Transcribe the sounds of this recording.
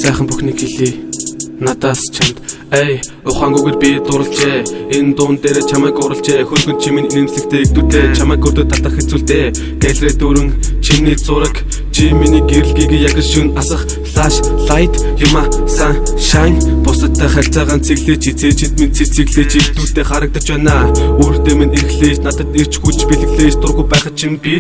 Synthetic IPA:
sæːχə̆mpuxniːkxeɮiːnat̪aːst͡ɕʰamt̪ | æj | ʊχaːŋɡuɣeːrpʲit̪ʊɾə̆ɮt͡ɕeːent̪ʊːnt̪eːɾeːt͡ɕʰamæːkʊɾə̆ɬt͡ɕeːxɵnxɵ̆nt͡ɕʰimininemsɮɘ̆kt̪ʰeːek̚t̪ŭt̪eːt͡ɕʰamæːkːɵr̥t̪ə̆t̪ːat̪ə̆xet͡suːɮt̪eː | ɡ̥æɮreːt̪uɾɵ̆ŋt͡ɕʰinːiːt͡sʊɾə̆k | t͡ɕʰiminiːɡeɾɘ̆ɮɡʲiːɡeːjaɣʲə̆ʃunasə̆χ | ɮaːʃɮajt̪jʊmaːsaŋʃaŋpʊsə̆k̚t̪ʰæːχær̥ʲɬʲt͡sæːʁaːnt͡sʰeɣɮeːt͡ɕit͡seːt͡ɕĭt̪mint͡sʰit͡sʰeɣɮeːt͡ɕʰiek̚t̪uːɮt̪eːχaɾə̆k̚t̪ə̆t͡ɕpæːnaːoːr̥t̪eːminerxɮeːʃnat̪ə̆t̪er̥t͡ɕxut͡ɕpeɮɘ̆ɣɮeːʃt̪ʊrɣujpæːχə̆t͡ɕʰimpi

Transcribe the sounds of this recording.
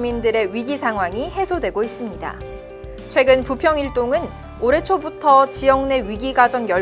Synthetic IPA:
mindɯɾe̞ɥiɡisʰaŋɦwaŋihe̞sʰodwe̞ɡois͈ɯmɲida̰ | t͡ɕʰwe̞ɡɯnpupʰjʌŋiɭt͈oŋɯn | oɾe̞t͡ɕʰobutʰʌt͡ɕijʌŋne̞ɥiɡiɡad͡ʑʌŋjʌ

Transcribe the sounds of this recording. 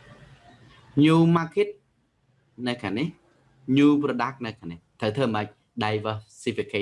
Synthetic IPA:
ɲuːmaːkʰit̪̚ | nɨwkʰaːnih | ɲuːprɔɗak̚nɨwkʰaniht̪ʰəwt̪ʰəːməc̚ | ɗajʋəsipikʰi

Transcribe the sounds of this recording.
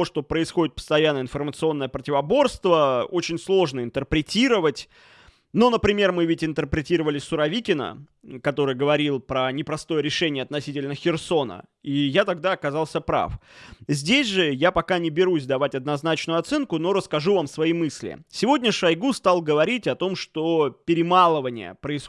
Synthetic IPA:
oʂt̪o̞pɾəɪsxo̞dʲɪt̪̚pə̥st̪ɐjanːəɪnfərmət̪sɨo̞nːəjəpɾətʲɪvɐbo̞rst̪vəot͡ɕɪnʲslˠo̞ʐnəɪnt̪ərpɾʲɪtʲiɾəvətʲ | no̞nəpɾʲɪmʲe̞rmɨvʲɪtʲɪnt̪ərpɾʲɪtʲiɾəvəlʲɪsʊɾɐvʲikʲɪnə̰ | kɐt̪o̞ɾɨjɡəvɐɾʲilˠpɾənʲɪpɾɐst̪o̞jəɾʲɪʂɛnʲɪjəɐt̪nɐsʲitʲɪlʲnəxʲɪrso̞nə̰ | ijat̪ɐɡ̚d̪aɐkɐzɑlˠsʲəpɾa̰fzʲdʲesʲʐɨjapɐkanʲɪbʲɪɾusʲd̪ɐvatʲɐd̪nɐznat͡ɕnʊjʊɐt̪sɛnkʊno̞ɾəskɐʐuvamsvɐimɨsʲlʲɪ̰sʲɪvo̞dʲnʲəʂɐjɡust̪alˠɡəvɐɾʲitʲɐt̪o̞mʂt̪o̞pʲɪɾʲɪmalˠəvənʲɪ̰jə̰pɾəɪs

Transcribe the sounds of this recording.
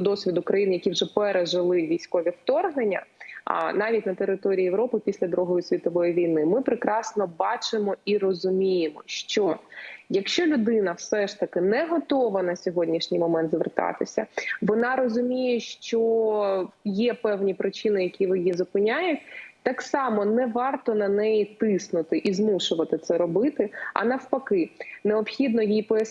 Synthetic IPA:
d̪ɔsʲʋʲid̪ʊkɾɐjinjɐkʲiwʒɛpɛɾeʒɪlˠɪʋʲijsʲkɔʋʲiwt̪ɔrɦnenʲːɐ̰ | nɑʋʲitʲnɐt̪eɾɪt̪ɔɾʲiːjeʋɾɔpɪpʲisʲlʲɐd̪ɾuɦɔjʊsʲʋʲit̪ɔʋɔjiʋʲijnɪmɪpɾɪkɾɑsnɔbɑt͡ʃɪmɔirɔzʊmʲijemɔʃt͡ʃɔjɐkʃt͡ʃɔlʲʊd̪ɪnɐwsɛʃt̪ɐkɪnɛɦɔt̪ɔʋɐnɐsʲɔɦɔdʲnʲiʃnʲijmɔmɛnt̪zʋḛrt̪ɑ̰t̪ɪsʲɐʋɔnɑɾɔzʊmʲijɛʃt͡ʃɔ | jɛpɛwnʲipɾɪt͡ʃinɪjɐkʲiʋɪjizɔpɪnʲajʊtʲt̪ɑksɑmɔnɛʋɑrt̪ɔnɐnɛjit̪ɪsnʊt̪ɪʔizmuʃʊʋɐt̪ɪt̪sɛɾɔbɪt̪ɪɐ̰nɐwpɐkɪneɔpxʲid̪nɔjipɔjɐ

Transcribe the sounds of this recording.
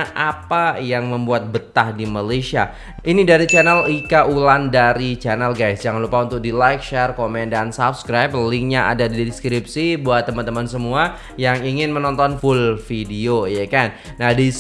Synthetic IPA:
ʔapajaŋməmbuat̪̚bət̪ahdimalasia̰ | inidaɾit͡ʃanɛlikaʔulandaɾit͡ʃanɛlɡajsd͡ʒaŋanlupaunt̪ʊk̚dilajk̚ʃɛrkomɛndansap̚skɾajp̚liŋɲaʔa̰dadidskɾip̚sibuat̪ːəmant̪əmansəmua | jaŋiŋɪnmənɔnt̪ɔnfʊlfidiojakanːahdis

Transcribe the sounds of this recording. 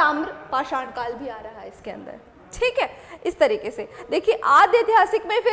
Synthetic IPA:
aːmɾpaːʃãːɳkaːlbʱiaːɾɐɦaɦɛɪskeɐ̰̃nd̪ə̰ɾ | ʈʰiːkɦɛːɪst̪ɐɾiːkesed̪eːkʰieʔaːd̪jet̪ɪjɦaːsɪkmẽfɪ

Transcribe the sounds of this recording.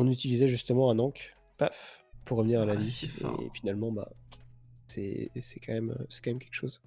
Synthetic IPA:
ɔ̃nyt̪ilizɛʒyst̪əmɑ̃ɛ̃nɑ̃k | pafpuʁːəvniʁalaviḛfinalmɑ̃ba̰ | sɛ̰sɛkɑ̃mɛmø̰sɛ̥kɑ̃mɛmkʲɛlkʃoz

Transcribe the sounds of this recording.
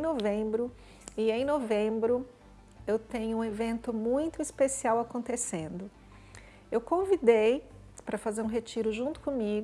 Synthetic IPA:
novẽbɾʊ | ɪẽj̃novẽbɾʊ | ewt̪ẽɲʊũevẽnt̪ʊmũj̃t̪ʊispesiawakõnt̪esẽnd̪ʊ | ewkõvid̪ej | pɾɐfazeɾũɦet͡ʃiɾʊʒũt̪ʊ̥kõmiɡʊ

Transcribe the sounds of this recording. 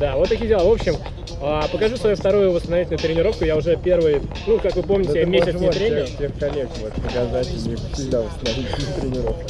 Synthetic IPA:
d̪̥avot̪ːɐkʲijdʲɪlˠavo̞pɕːɪm | apəkɐʐusvɐjuft̪ɐɾujʊvəst̪ənɐvitʲlʲnʊjʊt̪ɾʲɪnʲɪɾo̞fkʊjaʊʐɛpʲe̞rvɨjnukakvɨpo̞mnʲɪtɪmʲːessɪet̪ɾʲenʲɪsʲexkɐlʲekʲvot̪kɐɡaznat͡ɕɪlnʲəsʲɪɡd̪ʲavəst̪ənɐvitʲɪnʊt̪ɾʲɪnʲɪɾo̞fkʲɪ̥

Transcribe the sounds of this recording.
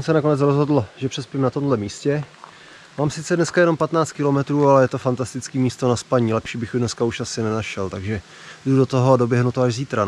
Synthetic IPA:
sɛnako̞nɛt͡sɾozɦo̞dl̩ʒɛpr̥ɛspimnat̪o̞mdlɛmiːscɛ | maːmsɪt͡sɛdnɛskajɛno̞mpat̪naːt͡st̪kɪlo̞mɛt̪ɾuːalɛjɛt̪o̞fant̪ast̪ɪt͡skiːmiːst̪o̞naspaɲiːlɛpʃiːbɪxjʊdnɛskauʃasɪnɛnaʃɛlt̪aɡʒɛ | dudo̞t̪o̞ɦoado̞bjɛɦnut̪oaʒziːt̪ɾa

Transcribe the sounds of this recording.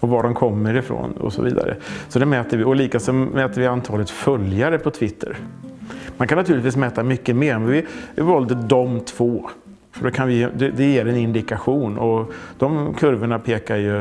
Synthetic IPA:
ɔvaɖɔmkʰɔmːəɾɪfɾo̰ːnɔ̰sɔ̰vḭːd̪a̰ɾə̰sɔd̪ɛmɛːt̪əɾvɪɔliːkasɔmɛːt̪əɾvɪant̪ʰɑːlət̪fœljaɾəpʰɔt̪ʰvɪt̪ʰːə̰ɾ | mankʰanːat̪ʰʉːlɪt̪viːs̬mɛːt̪ːamʏkːəmeːɾɔmɛvɪvɪvɔld̪əd̪ɔmt̪ʰv̥oː | fœɖɔkʰanvɪd̪ɛd̪ɛjeːɾɛnɪnd̪ɪkaɧuːnɔd̪̥ɔmkʰɵɾvəɳapʰeːkajɵ

